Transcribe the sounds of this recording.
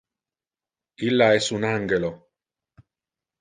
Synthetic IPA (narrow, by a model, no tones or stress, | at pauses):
ilːaɛsunaŋɡelo